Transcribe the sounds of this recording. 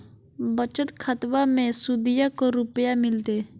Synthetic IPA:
bət͡ʃət̪kʰət̪ʋamẽsʊd̪ɪjakoɾʊpjamɪlt̪e

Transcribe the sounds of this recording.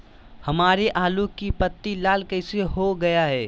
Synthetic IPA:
hɐmaːɾeʔaːlukipət̪ːilaːlkɛɪseɦoɡɐjaɦɛː

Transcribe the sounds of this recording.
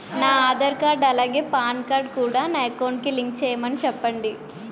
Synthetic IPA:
naːaːd̪ɐɾkaːɾɖɐlaːɡeːpaːnkaːɾɖ̚kuːɽaːnajkɐwɳʈkiliŋk̚t͡ʃɛːjɐmɐnit͡ʃɛpːɐɳɖi

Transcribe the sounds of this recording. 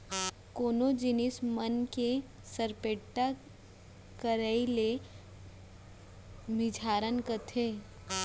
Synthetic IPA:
koːnod͡ʒɪnɪsmənke | səɾpeːʈːa | kəɾəile | mɪd͡ʒʱaːɾənkət̪ʰeː

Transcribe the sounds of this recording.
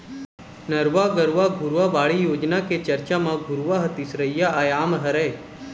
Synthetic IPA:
nəɾʋaɡəɾʋaɡʱuɾʋaʋaːɭijoːd͡ʒnaket͡ʃəɾt͡ʃamãɡʱuɾʋaɦət̪isɾəjːaajaːmɦəɾəj

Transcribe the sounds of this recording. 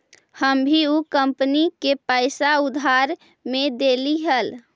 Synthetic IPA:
həmbʱiukəmpənikepəɪsaud̪ʱɦaɾ | med̪eliɦəl

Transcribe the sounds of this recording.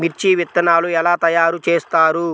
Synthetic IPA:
miɾt͡ʃiʋit̪ːɐnaːluɛlaːt̪ɐjaːɾut͡ʃeːst̪aːɾu

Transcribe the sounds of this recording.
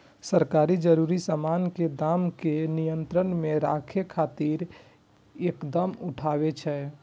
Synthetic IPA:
səɾkaːɾid͡ʒəɾuːɾisamaːnked̪aːmkenijənt̪ɾənmeɾakʰekʰaːt̪iːɾ | ekd̪əmʊʈʰaːbet͡ʃʰɛ

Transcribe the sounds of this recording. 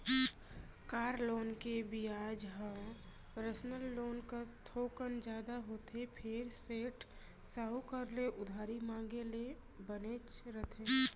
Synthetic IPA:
kaːɾloːnkebiaːd͡ʒɦə̃ | pəɾəsnəlːoːnkast̪ʰoːkənd͡ʒaːd̪aɦoːt̪ʰepʰeːɾseːʈ | saɦukəɾleʔʊd̪ʱaːɾimãːŋɡele | bəneːt͡ʃɾət̪ʰe

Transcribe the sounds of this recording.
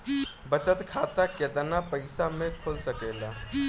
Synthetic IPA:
bət͡ʃət̪kʰaːt̪aket̪napəɪsamẽkʰoːlsəkeːla

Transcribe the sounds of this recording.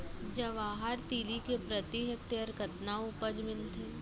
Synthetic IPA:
d͡ʒɐʋaːɦaɾt̪iːlikepɾət̪iɦek̚ʈeəɾkət̪naupəd͡ʒmɪlt̪ʰeː

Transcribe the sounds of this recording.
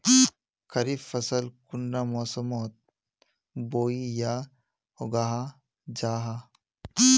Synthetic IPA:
kʰɐɾifɐsɐlkunɖaːmoːsɐmoːt̪̚ | boːijaː | oɡaːɦa | d͡ʒaːɦa

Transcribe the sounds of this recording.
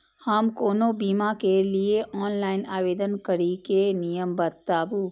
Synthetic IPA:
həmkoːnobiːmakelieʔɔːnlaːɪnaːʋeːd̪ənkəɾikenijəmbət̪ːaːbu

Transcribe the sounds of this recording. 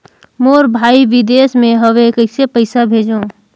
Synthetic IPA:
moːɾbʱaːiʋɪd̪eːsmẽɦəʋekəɪsepəɪsabʱeːd͡ʒõː

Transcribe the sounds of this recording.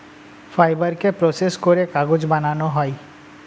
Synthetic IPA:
fʰajbəɾkepɾoseskoɾekaɡod͡ʒbananoɦɔi

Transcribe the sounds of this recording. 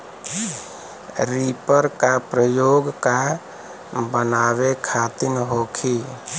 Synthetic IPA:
ɾiːpəɾkapɾəjoːɡka | bənaːwekʰaːt̪ɪnɦoːkʰiː

